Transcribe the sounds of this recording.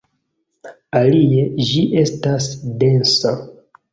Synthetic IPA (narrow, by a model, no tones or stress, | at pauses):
alie̞d͡ʒiʔe̞stasde̞nsa